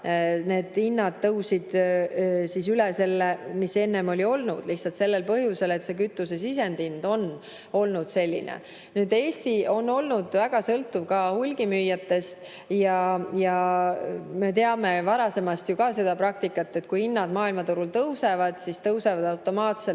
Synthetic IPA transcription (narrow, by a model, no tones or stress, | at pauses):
ne̞ːd̪̥inːɑd̪̥̚t̪ːɤwsid̪̥ | sisylese̞lːemise̞nːe̞mo̞lʲio̞lnṵd̪̥liht̪sɑlt̪se̞lːe̞lpɤɦjuse̞le̞t̪se̞kyt̪ːˑuse̞sis̬e̞nd̪ind̪̥o̞n | o̞lnud̪̥se̞lʲːḭnḛ | nyːd̪̥e̞ːst̪io̞nːo̞lnud̪̥væɡ̥ɑsɤlt̪ːˑuvkɑhulʲɡ̥imyjːɑt̪ːe̞st̪ | jɑjɑ | me̞t̪e̞ɑme̞vɑɾɑse̞mɑst̪jukɑse̞d̪̥ɑpɾɑk̚t̪ikːˑɑt̪ːe̞t̪̚kujinːɑd̪mɑːilmɑt̪uɾult̪ɤwse̞vɑd̪̥sist̪ɤwse̞vɑd̪ɑwt̪ːo̞mɑːt̪sel